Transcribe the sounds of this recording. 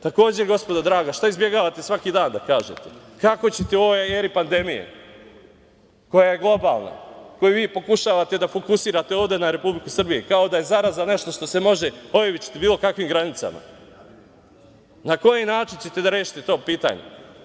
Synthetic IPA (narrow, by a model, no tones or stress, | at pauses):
t̪ako̞ːd͡ʑeɡo̞spod̪ad̪ɾaːɡaʃt̪aizbje̞ɡaːʋat̪e̞sʋakid̪aːnd̪akaːʒḛt̪ekako̞t͡ɕet̪eoʋojeeɾipand̪e̞mijḛ | ko̞jaje̞ɡlˠo̞ba̰ːlˠna̰ko̞jiʋiːpo̞kuʃaʋat̪e̞d̪afo̞kusiːɾat̪eoːʋd̪e̞naɾe̞publikusr̩bijekao̞d̪aje̞zaɾazane̞ʃt̪o̞ʃt̪ose̞mo̞ʒeojiʋit͡ʃi̥t̪ibiːlˠo̞kakʋimɡɾanit̪sa̰ma̰ | nako̞jinaːt͡ʃint͡ɕe̞t̪e̞d̪aɾe̞ːʃi̥t̪et̪o̞ːpiːt̪a̰ːɲḛ